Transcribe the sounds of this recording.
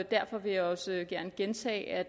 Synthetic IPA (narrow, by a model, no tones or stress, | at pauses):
d̥æɐfɒ̽ʋe̝jɑ̈ɒ̽səɡ̥æɐnəɡ̥ent͡sʰɛ̰ːæ̥